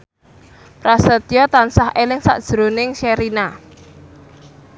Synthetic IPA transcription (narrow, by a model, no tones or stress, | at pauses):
pɾasət̪ijɔt̪ansahʔelɪŋsa̰ʔd̥ʒ̥ɾonɪŋʃeɾina